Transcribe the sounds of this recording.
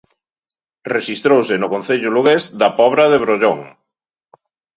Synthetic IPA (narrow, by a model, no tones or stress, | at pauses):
reʃist̪ɾowsɪnʊkon̟θeʎʊluɣezd̪ɐpɔβɾɐðeβ̞ɾoʎoŋ